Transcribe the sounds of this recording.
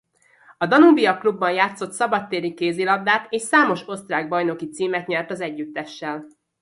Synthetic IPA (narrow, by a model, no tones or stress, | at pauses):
ɒd̪ɒnubiɒklubːɒnjaːt̪so̞t̪sɒbɒt̪ːeːɾikeːzilɒbd̪aːt̪eːʃsaːmo̞ʃo̞st̪raːɡ̚bɒjno̞kit̪siːmɛt̪ɲɛrt̪ɒzɛɟːyt̪ːɛʃːɛl